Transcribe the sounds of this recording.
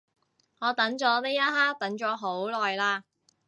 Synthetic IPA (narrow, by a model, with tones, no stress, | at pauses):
ŋɔː˨˧t̪ɐ˨˥ŋt͡ʃɔː˨˥t̪e˥jɐ˥t̚ɦaː˥k̚t̪ɐ˨˥ŋt͡ʃɔː˨˧˥ɦo˨˥wlɔː˨jlaː˧